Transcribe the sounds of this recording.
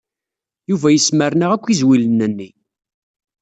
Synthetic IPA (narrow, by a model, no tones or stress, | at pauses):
juvæjəsməɾnəʁækʷːizwilənːənːi